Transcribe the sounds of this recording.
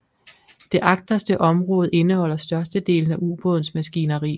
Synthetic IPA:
d̥e̝ʔɑ̈ɡ̥̚d̥ɐsd̥əʔɒ̽mʁɔ̽ːð̞̩ˠe̝nəhɒ̽l̰ɐsd̥ɶɐsd̥əd̥e̝̰ːln̩æʔub̥ɔ̽ðˠn̩smæsɡ̥inɐʁḭː

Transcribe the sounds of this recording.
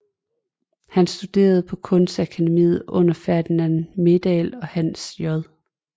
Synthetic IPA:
hænsd̥ud̥e̝̰ːɐð̞̩ˠpʰɒ̽kʰɔ̽nsd̥ækʰæd̥e̝mḭːð̩ˠɔ̽n̰ɐfæɐd̥inænme̝d̥ɛlɒ̽hænsjɒðˠ

